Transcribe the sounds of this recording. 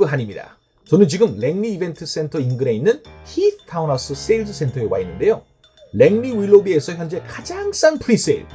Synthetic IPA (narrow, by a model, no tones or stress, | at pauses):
ɯɦaɲimɲida̰ | t͡ɕʌnɯnt͡ɕiɡɯmle̞ŋniːbe̞ntʰɯs͈e̞ntʰʌinɡɯɾe̞inːɯnçit̚tʰaunas͈ɯs͈eld͡ʑɯsʰe̞ntʰʌewa̰inːɯnde̞jo | le̞ŋniwiɭːobie̞sʰʌçjʌnd͡ʑe̞kad͡ʑaŋs͈aŋpʰɯɾis͈eɭ